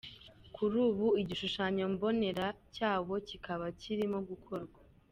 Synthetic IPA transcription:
kʰuɾuːβuiɟiʃuʃaːɲo̞mbo̞ne̞ɾacaːβo̞cikʰaβaciɾimoɡukʰo̞ɾɡwa

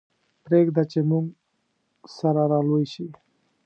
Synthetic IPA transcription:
pɾekd̪at͡ʃemuŋɡ | saɾaɾalujɕi

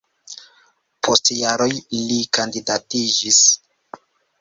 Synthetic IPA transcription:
pʰostjaɾo̞jlikandidatid͡ʒis

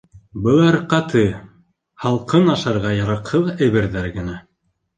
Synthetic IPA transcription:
bɤ̆lˠɑɾqɑt̪ʰɤ | hɑlˠqɤnɑʃɑɾʁɑjɑɾɑqhɤðæjβɘɾðæɾɡɘ̆næ

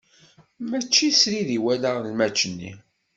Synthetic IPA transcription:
mæt͡ʃːisɾiðiwælaʁlmæt͡ʃːənːḭ

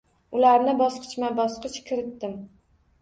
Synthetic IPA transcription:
ʊlaɾnɪbɒsqɨ̥t͡ʃmabɒsqɨt͡ʃkʲʰɪɾɪt̪ːɪm

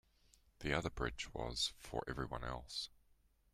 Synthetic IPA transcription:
ðiʌðə˞bɹɪ̰d͡ʒwʌz̥fə̰˞ʔɛvɹiwʌ̰̃nɛlˠs

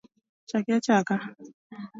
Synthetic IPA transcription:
t͡ʃakiat͡ʃaka

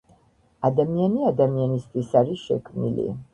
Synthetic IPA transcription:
ad̪amianiad̪amianist̪ʰʼwisaɾiʃɛ̰kʰmnḭlḭ

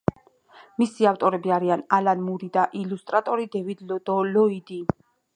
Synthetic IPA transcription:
misiaft̪ʼɔɾɛbiaɾianalanmuɾid̪aʔilust̪ʼɾat̪ʼɔɾid̪ɛvid̪d̪ɔlɔid̪i

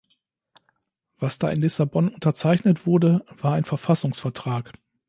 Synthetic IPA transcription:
v̥asd̥aːɪnlɪsabɔnʊntɐt͡saɪçnətv̥ʊɐdəv̥aːɐaɪnfɛɐfasʊŋsfɛɐtʁ̥aːk

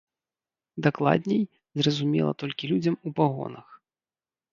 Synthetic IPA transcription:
d̪aklˠa̰d̪ʲnʲɛj | zrɐzumʲɛ̰lˠɐ̰t̪ɔlʲkʲilʲud͡zʲɐmupaɣɔ̰nɐx

